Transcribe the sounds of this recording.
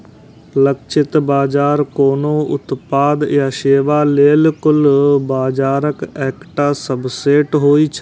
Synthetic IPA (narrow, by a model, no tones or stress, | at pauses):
lɐkt͡ʃʰɪt̪baːd͡ʒaːɾkoːnoʊ̰t̪paːd̪jaʃeːʋaleːlkʊlbaːd͡ʒaːɾəkɛːkʈaːsɐbseːʈɦoːit͡ʃʰ